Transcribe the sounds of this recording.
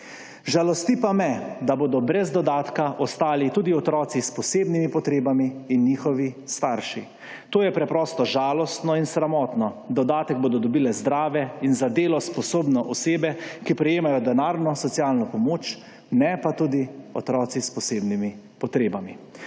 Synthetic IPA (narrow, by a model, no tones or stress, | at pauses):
ʒalɔst̪ipamɛd̪aboːd̪ɔbɾɛzd̪ɔd̪aːt̪kaʔɔst̪aːlit̪uːd̪iɔt̪ɾɔːt̪sispɔseːbnimipɔt̪ɾeːbamiːnːiːxɔʋist̪aɾʃi | t̪oːjɛpɾɛpɾɔːst̪ɔʒaːlɔst̪nɔinsɾamɔːt̪nɔd̪ɔd̪aːt̪ɛɡ̚boːd̪ɔd̪ɔbiːlɛzd̪ɾaːʋɛinzad̪eːlɔspɔsoːbnɔʔɔseːbɛkipɾɛjeːmajɔd̪ɛnaːɾnɔsɔt̪sijaːlnɔpɔmoːt͡ʃ | nɛpat̪uːd̪iɔ̰t̪ɾɔːt̪sispɔseːbnimi | pɔt̪ɾeːbami